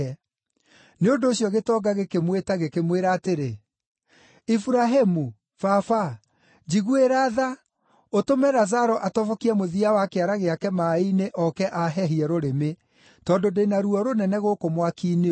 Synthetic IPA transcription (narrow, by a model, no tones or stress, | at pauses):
ɛ | neondoːɕjɔɣetɔɡaɣekemwetaɣekemweɾaːteɾe | ifuɾaɦemu | fafa | d͡ʒiɣueɾaða | otomɛɾazaɾɔʔatɔvɔkiɛmoðiawakeaɾaɣeakɛmaineʔɔkɛʔaɦɛɦiɛɾoɾeme | tɔːndodeinaɾuɔɾonɛnɛɣokomwakiːne